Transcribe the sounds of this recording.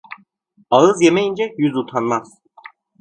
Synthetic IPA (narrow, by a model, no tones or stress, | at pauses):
aɯzjemɛjind͡ʒɛjyzut̪ʰanmaz̥